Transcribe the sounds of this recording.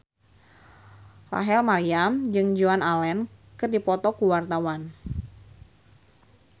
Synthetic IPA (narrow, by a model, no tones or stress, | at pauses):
ra̰ɦɛlmaɾiamd͡ʒɨŋd͡ʒuanalɛnkɨrdipɔt̪ɔkuwart̪awan